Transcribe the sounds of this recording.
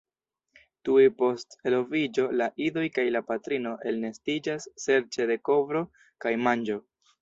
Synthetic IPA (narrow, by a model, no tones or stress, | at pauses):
tuepo̞ste̞lo̞vid͡ʒo̞laʔido̞jkajlapatɾino̞ʔe̞lne̞stid͡ʒasːe̞ɾt͡ʃe̞de̞ko̞vɾo̞ | kajmand͡ʒo̞